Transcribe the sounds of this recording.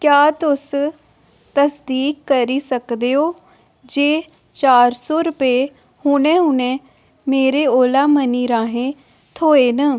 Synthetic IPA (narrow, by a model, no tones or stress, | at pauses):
kjaːt̪ʊs | t̪əsd̪iːkːəɾiːsəkd̪eːoː | d͡ʒeː | t͡ʃaːɾsɔːɾʊpeː | hʊɽ̃ẽːɦʊnẽː | meːɾeːoːlaːməniːɾaːɦẽː | t̪ʰoːeːnə